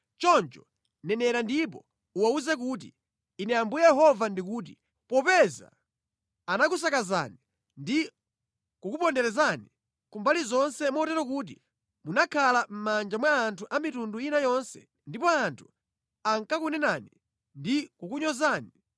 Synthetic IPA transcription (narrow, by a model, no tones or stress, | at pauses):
t͡ʃɔnt͡ʃɔ | nɛnɛɾandipɔ | uwauzɛk̬uːt̬ḭ | inɛjambujɛjɛɦɔvandikuːt̬i̥ | pɔpɛza̰ | anak̬us̬akaza̰ːni | ndi | kukupɔndɛɾɛzani | kumbalizɔnsɛmɔtɛɾɔk̬uːt̬ḭ | munakʰalam̩mand͡ʒamwaːntʰuʔamitunduinajɔnsɛ̰ | ndipɔantʰu̥ | aŋkakunɛnani | ndikukuɲɔzaːni